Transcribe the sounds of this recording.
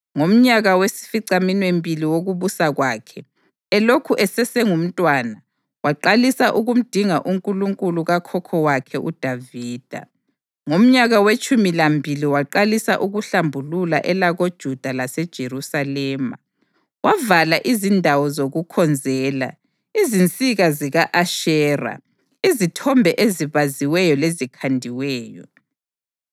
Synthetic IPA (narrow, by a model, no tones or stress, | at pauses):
ŋom̩ɲaɣawesi̥fiǀaminwembʱiliwoɣuβusaɣwaːkʰɛ | ɛlokʰuʔɛsɛsɛŋum̩tʼwana | waǃalisaʔuɣum̩d̥ʱiŋaʔuŋkʼuluŋkʼuluɣakʰɔkʰɔwakʰɛʔud̥ʱaviːd̥ʱa̰ | ŋom̩ɲaɣawet͡ʃʼumilambʱiliwaǃalisa̰ʔuɣuɬambʱululaʔɛlaɣod̥ʒ̥ʱud̥ʱalasɛd̥ʒ̥ʱeɾusalɛːma̰ | wavalaʔizindʱawɔzoɣukʰɔnd͡zʱɛːla̰ | izint͡sʼiɣaziɣaʔaʃɛːra̰ | izitʰɔmbʱɛʔeziβaziwɛjɔlezikʰandʱiwɛːjɔ̰